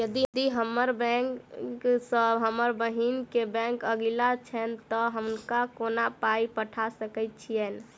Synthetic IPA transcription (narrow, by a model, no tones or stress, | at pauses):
jəd̪id̪iɦəməɾbɛ̃ŋkksəbɦəməɾbəɦinkebɛ̃ŋkəɡilat͡ʃʰɛnt̪ɔɦəmnkakonapaipəʈʰasəkɛt̪̚t͡ʃʰijɛn